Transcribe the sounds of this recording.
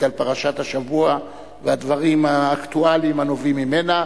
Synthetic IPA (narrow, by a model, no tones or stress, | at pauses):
alpaʁaʃat̪haʃavua | vead̪vaʁimaːkt̪ualimhano̞vimːimena